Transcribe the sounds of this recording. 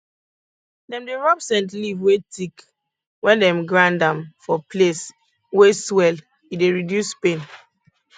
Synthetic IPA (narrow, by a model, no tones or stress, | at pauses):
dɛ̃mdeɹɔbsɛ̃ntlivwetik | wɛ̃ndɛ̃mɡɹãndãmfɔples | weswɛl | ideɹidjuspẽn